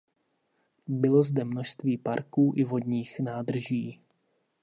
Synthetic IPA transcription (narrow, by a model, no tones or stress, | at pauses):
bɪlo̞zdɛmno̞ʃst̪viːpaɾkuːʔɪvo̞dɲiːxnaːd̪r̩ʒiː